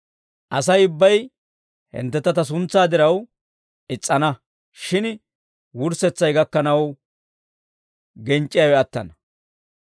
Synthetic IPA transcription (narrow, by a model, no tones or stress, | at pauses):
ʔɐsɐjʊbːɐj | hɛ̰nt̪ːɛt̪ːɐt̪ɐs̬ʊnt͡sːaːd̪ɪɾɐw | ʔɪt͡sʼːɐnɐ | ʃɪn | wʊɾsɛt͡sːɐjɡɐkːɐnɐw | ɡɛnt͡ʃʼːɪjɐwɛɐt̪ːɐ̰nɐ